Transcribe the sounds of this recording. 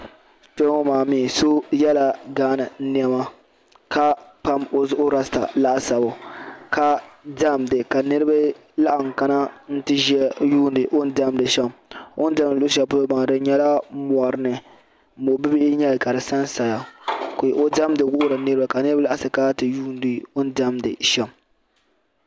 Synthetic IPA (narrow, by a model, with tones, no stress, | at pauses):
to˦ŋɔ˦maː˨miː˦˨so˦jɛ˦la˨ɡaː˦nɨ˨n̩˦ni˦ɛ˦ma˦ | ka˦pa˦mo˨zʊ˦ʔʊ˦ɾa˦sta̰˨la˦ʔa˨sa˨bʊ˨ka˦da˦˨mdɨ˨ka˨nɨ˦ɾɨ˦ba˦ | la˦ʔa˨ŋ˨ka˦na˦n̩˦tɨ˦ʒɛ˦juː˦ndɨ˨ʔo˦n˦da˦˨mdɨ˨ʃɛ˦mo˦n˦da˦m˨ɨ˨lʊ˦ʃ̬ɛ˦pʊ˦lo˦ba˨dɨ˦ɲɛ˦la˦mɔ˨ɾɨ˨˦nɨ˨˦ | mo˨bɨ˦bɪ˦ʔɲɛ˦lɨ˨ka˨ɾɨ˨sa˦nsa˨ja˨ko˨ʔo˦da˦mdɨ˨ɡʊ˦ʔʊ˦ɾɨ˨nɨ˦ɾɨ˦ba˨ka˨nɨ˦ɾɨba˦la˦ʔa˦sɨ˨ka˦tɨ˨juː˦n˦dɨ˨o˦n˦da˦mdɨ̰˨ʃɛ˨m